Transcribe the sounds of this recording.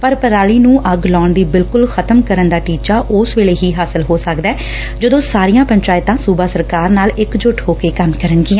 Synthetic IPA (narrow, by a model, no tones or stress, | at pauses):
pəɾpəɾaːliːnũːʔəɡlɔːɳd̪iːbɪlkʊlxʰət̪əmkəɾənd̪aːʈiːt͡ʃaːʔʊːsʋeːɭeːɦiːɦaːsəlɦoːsəkd̪aɛː | d͡ʒəd̪õːsaːɾijãːpəɲt͡ʃaːɪt̪ãːsuːbaːsəɾkaːɾnaːlɪkd͡ʒʊʈʰɦoːkeːkəmkəɾənɡɪːãː